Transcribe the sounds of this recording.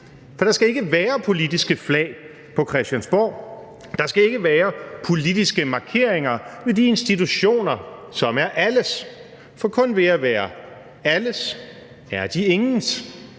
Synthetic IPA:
fɒ̽d̥ɑ̈sɡ̥æe̝ɡ̥əʋæːɐpʰo̝lidisɡ̥əflɛ̰ːɪ | pʰɒ̽kʰʁɛsd̥jænsb̥ɒ̰ː | d̥ɑ̈sɡ̥æe̝ɡ̥əʋæːɐpʰo̝lid̥isɡ̥əmɑ̈kʰe̝ɐ̰e̝ŋɐʋe̝d̥ie̝nsd̥it͡sʰuɕo̝̰ːnɐsɒ̽mæɐʔæləs | fɒ̽kʰɔ̽nʋe̝æʋæːɐ | æləs | æɐd̥ie̝ŋn̩s

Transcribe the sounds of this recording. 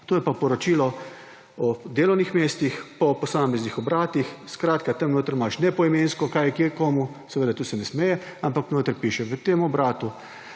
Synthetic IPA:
t̪oːjɛpapɔɾɔt͡ʃiːlɔ | ɔd̪eːlɔwnixmeːst̪ixpɔpɔsaːmɛznixɔbɾaːt̪ixskɾaːt̪kat̪əmnoːt̪ɾmaʃnɛpɔimeːnskɔkajɛkeɾkoːmu | sɛʋeːd̪at̪uːsɛnɛsmɛːjɛampaknoːt̪əɾpiːʃɛʋət̪eːmɔbɾaːt̪u

